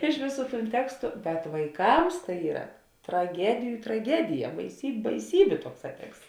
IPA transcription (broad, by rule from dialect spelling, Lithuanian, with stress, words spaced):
ˈɪʃ ʋʲeːˌsuː tuːn ˈtʲæːkstʊ bʲɛt ʋɐɪˈkɐms tɐɪ ˈiːrɐ trɐˈɡʲæːdʲɪjʊ trɐˈɡʲæːdʲɪjɛ bɐɪsʲiːpʲ bɐɪˈsʲiːbʲeː ˈtuɔkˌsɑː ˈtʲɛksts